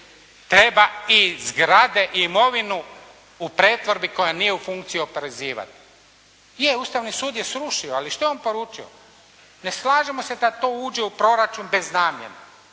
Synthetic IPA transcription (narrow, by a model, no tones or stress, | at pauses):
t̪ɾe̞baizɡɾad̪e̞ʔiːmo̞ʋinu | upɾe̞ːt̪ʋo̞ɾbiko̞janijeufuŋkt̪sijio̞peɾeziːʋa̰t̪i̥ | jeust̪aʋnisuːd̪jesɾuʃioaliʃt̪ojeonpo̞ɾuːt͡ʃio̰ | ne̞slaːʒemo̞se̞d̪at̪o̞ːuːd͡ʒeupɾo̞ɾat͡ʃunbe̞znaːmjḛna